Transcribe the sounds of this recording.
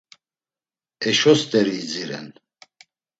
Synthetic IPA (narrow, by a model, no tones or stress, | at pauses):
ɛʃɔst̪ʼɛɾiːd͡ziɾɛ̰n